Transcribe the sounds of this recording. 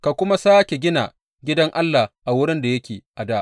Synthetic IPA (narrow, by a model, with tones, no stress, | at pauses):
ka˨kʷʊ˦ma˦saː˦kʲe˨ɡʲɪ˦na̰˨ | ɡʲɪ˦dɐ˦ŋʔa˦lːa˨hʔa˨wʊ˦ɽɪ˦nda˨jɐ˦kʲeː˨ʔa˨daː˦ʔ